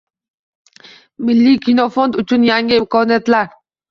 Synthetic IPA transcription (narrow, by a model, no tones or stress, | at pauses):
milːikinofond̪ʊt͡ʃunjaŋɡʲekonjat̪laɾ